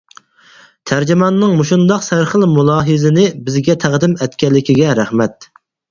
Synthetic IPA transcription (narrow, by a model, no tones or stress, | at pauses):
t̪ʰæɾd͡ʒɪmɑnːɨŋmuʃund̪ɑqsæɾχəlmulˠɑːɦɨzɪnɪbɪzɡʲɛt̪ʰæʁd̪ɪmɛt̪kʲɛlːɪkʲiɡʲɛɾæχmɛt̪̚